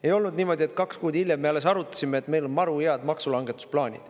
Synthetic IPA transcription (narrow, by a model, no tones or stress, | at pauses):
e̞jo̞lnud̪niːmo̞d̪ʲie̞t̪ˑkɑkskuːd̪ilʲjemːe̞ɑlːe̞sɑɾut̪ːˑɑ̥sʲimeet̪ːˑme̞jlo̞nmɑɾueɑd̪mɑksulɑŋɡe̞t̪ːˑu̥splɑːnʲḭd̪̥